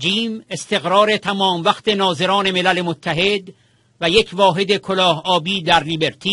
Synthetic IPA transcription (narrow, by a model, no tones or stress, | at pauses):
d͡ʒiːme̞st̪e̞ɣɾɒːɾe̞t̪ʰæmɒːmvæxt̪e̞nɒːze̞ɾɒːne̞me̞lælemot̪ʰːæɦe̞d̪ | væjecʰvɒːɦe̞d̪ekʰolɒːhɒːbiːd̪æɾlibe̞ɾt̪ʰi